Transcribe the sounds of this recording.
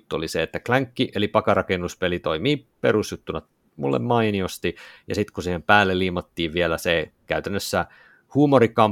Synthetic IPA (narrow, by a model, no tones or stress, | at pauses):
t̪ːuoliseet̪ːæklæŋkːiʔelipɑkɑrɑkenːuspelit̪oimiːperusjut̪ːunɑ | mṵlːḛmmɑiniost̪ijɑ̰sit̪kusiːhempæːlːeliːmɑt̪ːiːʋʋielæsekæyt̪ænːøsːæ | huːmoɾikːɑm